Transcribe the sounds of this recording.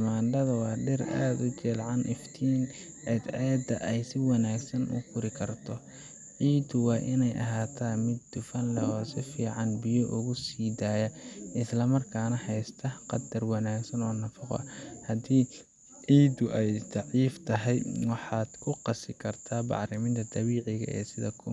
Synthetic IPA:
ɐmaːndɐðɐwɑːɖɛra̰ːd̪ʊt͡ʃɛːlʕɑnʔɪft̪ʰiːn | ʔɛːd̪ɛːd̪ɐʔɛjsɪwɑnaːɡsɐnʔʊ̰kʰʊɾɪkʰɐrt̪ʰɔ | ʕiːd̪ʊwɑːʔɪnɛjʔɐ̰ɦaːt̪ʰaːmɪd̪ːʊfɐnlɛhɔːsɪfiːʕɑnbɪjɔʔʊɣʊsiːd̪aːjɐɪslɐmɐrkʰaːnɐhɛjst̪ʰɐqɑd̪ɐrwɑnaːɡsɐnɔːnɐfɐqɔ̰ʔhɐd̪iː | ʕiːd̪ʊʔɛjd̪ɑʕiːft̪ʰɐɦɛjwɑħɑːd̪̥kʰʊqɑsɪkʰɐrt̪ʰaːbɑ̰ʕɾɪmɪnt̪ʰɐd̪ɑβiːʕɪɣɐ̰ʔɛ̰ːsɪðɐkʰʊ

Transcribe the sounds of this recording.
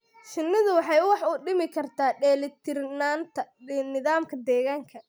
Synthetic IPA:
ʃɪnːɪðʊwɑħɑjwɑħʊɖɪmɪkʰɐrt̪ʰaːɖɛːlɪt̪ʰɪrnaːnt̪ʰɐnɪðaːmkʰɐd̪ɛːɣaːŋkʰɐ

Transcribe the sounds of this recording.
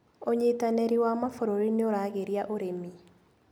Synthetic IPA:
oɲetanɛɾiwamafoɾoɾineoɾaːɣeɾiaʔoɾemi

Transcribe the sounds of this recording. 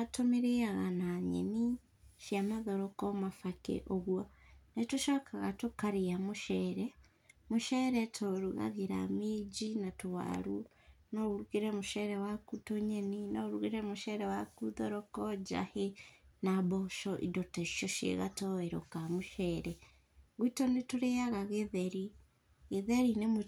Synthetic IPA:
atomiɾiaɣanaɲḛni | ʃiamaðoɾokomafakḛʔoβwanetuʃakaɣatukaɾijamuʃeɾe | muʃeɾetʰoɾuɣa̰ɣiɾa̰miːd͡ʒinatuwa̰ɾu | nouɾuɣiɾemuʃeɾewakutoɲeninoɾuɣiɾemuʃeɾewakuðoɾokod͡ʒa̰henaβoʃoʔḭdoteʃoʃḛɣa̰toeɾokamuʃeɾe | ɣwitonetuɾejaɣaɣeðeɾi | ɣeðeɾinemu

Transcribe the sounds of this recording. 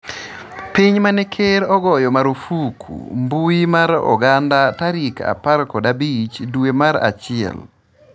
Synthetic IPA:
piɲmanɛkʰeɾɔɡɔjɔmaɾofukʰṵmbuimaɾɔ̰ɡandataɾika̰parkɔdabit͡ʃdwemaɾa̰t͡ʃɪɛ̰l

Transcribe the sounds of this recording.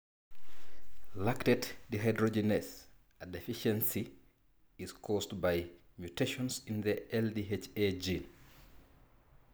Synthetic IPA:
laktɛddiɦajdɾod͡ʒɛnɛs | adɛfiʃɛ̃nsi | iskʰɔstbaj | mjuteʃɔ̃nsind̪əɛldiɦet͡ʃed͡ʒin

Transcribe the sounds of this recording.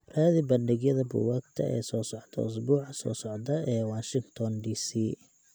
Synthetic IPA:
raːðibɐndɪɡjɐðɐbʊ̰wakt̪ʰɐ̰ɛ̰ːsɔːsɔʕt̪ʰɐ̰ʊs̬buːʕɑsɔ̰ːsɔʕd̪ɐʔɛːwaːʃɪŋt̪ʰɔndiːsiː

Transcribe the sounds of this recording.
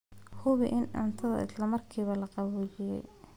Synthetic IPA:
hʊβɪ̰ʔɪnɐ̰nt̪ʰɐðɐ̰ʔɪ̰slɐmɐrkʰiːβɐlɐqɑβuːlɪjɛ̰j

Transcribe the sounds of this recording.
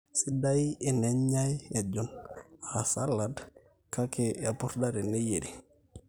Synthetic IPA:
sidaieneɲɲajad͡ʒonasalːad | kakejapuɾdaɾenejedi

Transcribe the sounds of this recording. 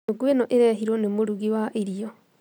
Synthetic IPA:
oɡwenɔʔeɾɛɦiɾwɔnemoɾuɣiwaʔiɾiɔ

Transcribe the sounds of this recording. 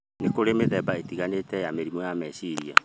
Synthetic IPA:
nekoɾemeðɛbaetiɣanetɛjameɾimɔjamɛsiɾia̰

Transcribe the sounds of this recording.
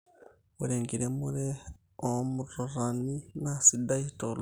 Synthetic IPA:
wuɾeːŋɡiɾemuɾe | omuɾoɾaninasidaitol

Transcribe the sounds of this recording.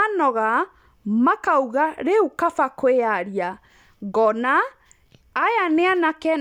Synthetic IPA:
nɔɣa | makauɣaɾeukafakoeaɾia | ɡɔnaː | janeanakɛ

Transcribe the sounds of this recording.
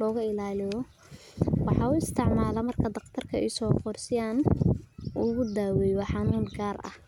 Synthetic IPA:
lɔːɣɐɪlaːlɪjɔ | wɑħɑʊɪst̪ʰɪʕmaːlɐmɐrkʰɐd̪ɑqt̪ʰɐrkʰɐɛ̰jsɔːqɔrsɪjaːn | ʊɣʊd̪aːwɛjɑħɑnuːmɡaːrɐ̰h

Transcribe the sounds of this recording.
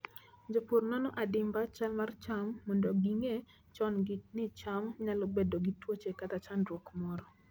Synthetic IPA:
ɲd͡ʒopurnɔnɔʔadɪmbat͡ʃalmart͡ʃamːɔndɔɡiŋe | t͡ʃɔnɡit̚nɪt͡ʃamɲalɔbɛdoɡitwot͡ʃekat̪at͡ʃandɾwokmɔɾɔ

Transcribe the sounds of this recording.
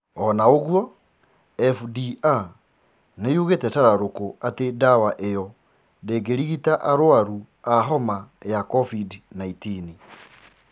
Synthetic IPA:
ɔnaoɣwɔ | ɛfdia | nejuɣetɛtaɾaɾokoʔatedawaʔejɔ | deːɡeɾiɣitaʔaɾowaɾu | aɦɔmajakɔfidinaitini

